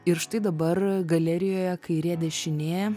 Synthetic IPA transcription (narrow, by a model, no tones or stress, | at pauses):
ɪɾʃt̪ɐɪd̪ɐbɐrɡɐlʲɛɾʲɪjoːjɛkɐɪɾʲeɛd̪ʲɛʃʲɪnʲeːjɛ